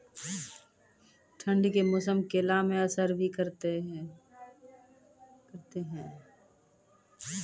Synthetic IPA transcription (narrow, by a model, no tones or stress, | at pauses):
ʈʰə̃ɳɖkemʊsəmkɪlamẽɐsəɾbʱikəɾt̪eɦ | kəɾt̪eɦɛ̃ː